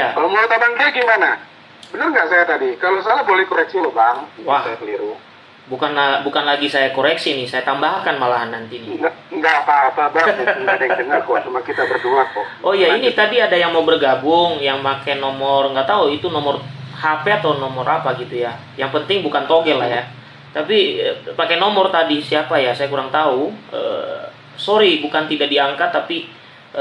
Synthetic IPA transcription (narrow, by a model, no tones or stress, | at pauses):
jalmaot̪abaŋtaaɡimana | bənərŋɡaʔsajat̪adikalosajabolɛhkoɾɛk̚silobaŋwahsajakəliɾu | bukanlabukanlaɡisajakoɾɛksinɪhsajat̪ambahkanmalaɦanːant̪iniɡaŋɡapaːpabaaadəŋdəŋarkɔt͡ʃumakit̪abərduat̪̚ɔɔjainit̪adiadajaŋmaubərɡabʊŋjaŋmakɛnɔmɔrŋɡaʔt̪auit̪unɔmɔrhapɛat̪anɔmɔrʔa̰paɡit̪uja | jaŋpənt̪ɪŋbukant̪oɡɛlahja | t̪apipakɛnomɔrt̪adisiapajasajakuɾaŋt̪auə̰ | soɾibukant̪idaʔ̚diaŋkat̪ːapi